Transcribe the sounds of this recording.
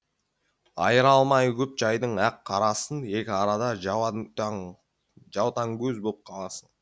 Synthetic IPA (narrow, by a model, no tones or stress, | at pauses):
ɑ̰jəɾɑlˠmɑjkʲʰɵp̚ʒɑjd̪əɴæqʰːɑɾɑsəne̞kʲɪɑɾɑd̪ɑ | ʒɑwt̪ɑŋkʲʰɵzbo̞lˠəp̚qʰɑlˠɑsən